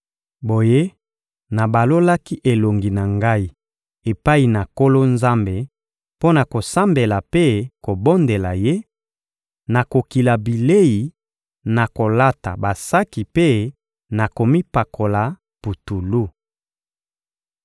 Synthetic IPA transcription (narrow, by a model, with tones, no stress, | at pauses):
bo˨je˦ | na˨ba˨lo˦la˦ki˦ʔe˨lo˨ŋɡi˨na˨ŋɡa˦i˦ | e˨pa˦i˨na˨ko˦lo˦nza˦mbe˨ | po˦na˨ko˨sa˦mbe˨la˨pe˦ko˨bo˦nde˨la˨je˦ | na˨ko˨ki˨la˨bi˨le˦ji˨ | na˨ko˨la˦ta̰˨ba˨sa˦ki˨pe˦ | na˨ko˨mi˦pa˨kʰo˨la˨ | pu˨tu˨lu˦